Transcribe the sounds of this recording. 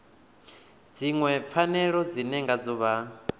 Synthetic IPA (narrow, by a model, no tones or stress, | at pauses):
d͡ziŋwɛp̪fʰanɛɺɔd͡zinɛŋɡad͡zɔβa